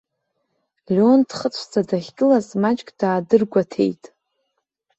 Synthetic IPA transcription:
lʲond̥χət͡sʷʰd͡zadaχʲɡʼɨlazmat͡ʃʼkʼd̥aːdɨrɡʷatʰe̞̰jtʼ

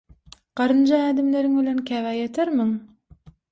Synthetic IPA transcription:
qɑɾɯnd͡ʒɑæːd̪ɪmleɾɪŋbɪ̆lænkʲʰævæjet̪ʰeɾmɪŋ

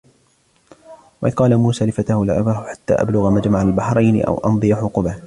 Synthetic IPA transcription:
wɑʔɪd̪qɑːlamuːsaːlɪfat̪ahʊlʕ̰bahʊħḁt̪ːa̰ːʔa̰blʊɣamad͡ʒmaʕalbaħɾˤɑjnɪ̰ʔa̰wʔɑ̰nd̪ˤɨjaħʊqʊbah

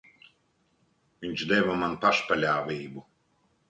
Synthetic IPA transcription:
vʲiɲʲt͡ʃd̪ɛvamanpaʃpalʲaːvʲiːbu

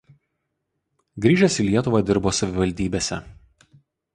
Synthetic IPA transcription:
ɡɾʲiːʒʲɛsʲiːˑlʲiɛt̪ʊʋɑˑd̪ʲɪɾboːsɐʋʲɪʋɐlʲd̪ʲiːbʲeːsʲɛ̰

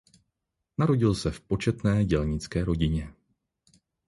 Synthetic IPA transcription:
naɾo̞ɟɪlsɛfpo̞t͡ʃɛt̪nɛːɟɛlɲɪt͡skɛːɾo̞ɟɪɲɛ

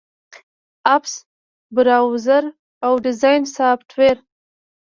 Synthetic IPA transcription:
aps | bɪɾɑwzaɾ | awɖɪzɑjnsɑːpʈʰweɾ

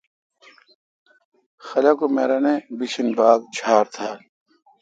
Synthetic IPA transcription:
xɐlakomeːɾɐnebisinbaːɡt͡ɕʰaːɾt̪ʰaː

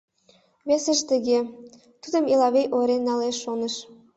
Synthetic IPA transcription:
βesə̆ʃt̪ə̆ɣe | t̪ud̪ə̆milɑβejʔoɾenːɑleʃːonə̆ʃ

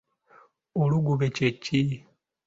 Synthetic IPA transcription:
oluɡuβececi

